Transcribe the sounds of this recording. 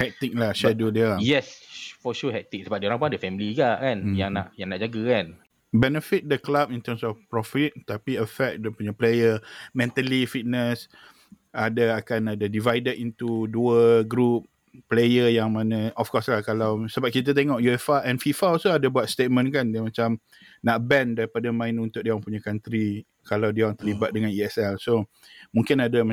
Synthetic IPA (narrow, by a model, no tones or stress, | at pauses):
hɛk̚t̪ik̚lahʃɛdodɛajɛsfɔʃuɦɛk̚t̪ik̚səbap̚dioɾãŋpuŋadəfɛmiliɡaʔkanjaŋna̰ʔjãŋnaʔd͡ʒaɡəkan | bɛnəfit̪̚dəklap̚int̪əmsɔfpɾɔfit̪̚t̪apiəfɛk̚də̃puɲaplejəmɛ̃nt̪alifit̪̚nəs | adəakanadadivajdədint̪uduəɡɾup̚ː | lejəjaŋmãnə̃ɔfkɔslahkalawsəbap̚kit̪̬at̪eŋɔʔjuɛfaʔɛnfifaosoadabuat̪st̪et̪̚mə̃nkandiamãt͡ʃam | naʔbɛndaɾipadamãɪnunt̪ʊʔ̚diawaŋpuɲakant̪ɾi | kalawdiawaŋt̪əlibat̪̚dəŋaniɛsɛlso | mũŋkɪnada